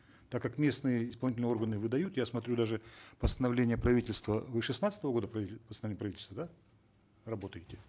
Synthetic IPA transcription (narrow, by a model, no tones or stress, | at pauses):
t̪akːakmʲe̞snɨjəɪspɐlˠnʲit̬ʲlʲnjo̞rɡənɨvɨd̪ɐjut̪jasmɐt̪ɾʲud̪aʐɨpəst̪ənɐvlʲenʲɪjəpɾɐvʲitʲɪlʲst̪vəvɨʂɨsnat̪sə̥t̪əvəɡo̞d̪əpɾɐpəst̪nvlʲenʲəprɐvʲitʲɪlʲst̪əd̪a | rɐbo̞t̪əjɪtʲɪ